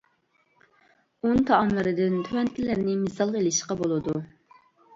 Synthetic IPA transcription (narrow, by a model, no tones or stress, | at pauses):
unt̪ʰɑːmlˠɨɾɨd̪ɪnt̪ʰøwɛnt̪ʰɪlɪɾnɪmɪsɑlˠelɪʃqɑbolˠɨd̪u